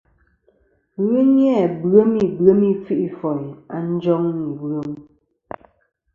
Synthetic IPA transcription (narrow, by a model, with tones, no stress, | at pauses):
ɣɨ˦ɲ˦ɛ˦˨bɰə˦mi˨bɰə˨˦mi˦fi˦ʔi˦fɔ˨ja˨n̩˦d͡ʒɔ˦ŋmi˨bɰə˦m˦